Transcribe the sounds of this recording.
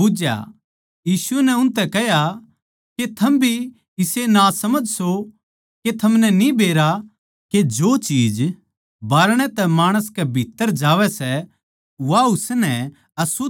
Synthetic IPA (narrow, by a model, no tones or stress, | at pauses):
ʊd͡ʒja̰ | jiːsʊɛnɛʊnt̪ɛkɛɦja | ket̪ʰɐmbʱi | ɪsenasɐməd͡ʒso | ket̪ʰɐmnɛnibʱeːɾa | ked͡ʒoːt͡ʃiːd͡ʒ | baːɾɽ̃ɛ̃t̪ɛmaːɽ̃əskɛbʱit̪ːəɾd͡ʒaːʋɛsɛ | ʋaʊsnɛ | ɐsʊ